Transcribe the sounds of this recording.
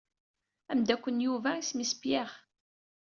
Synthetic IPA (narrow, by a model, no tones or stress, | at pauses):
æmd̪ækʷːənjuvæismisə̥bjaʁ